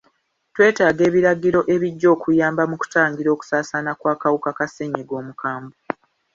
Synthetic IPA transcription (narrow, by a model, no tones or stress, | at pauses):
twe̞ːtaːɡe̞ːβiɾaɡiɾo̞ʔe̞βiɟːo̞ːkujaːmbamuku̥taːŋɡiɾo̞ːku̥saːsanakwaːkawukakaseɲiɡo̞ːmukʰaːmbo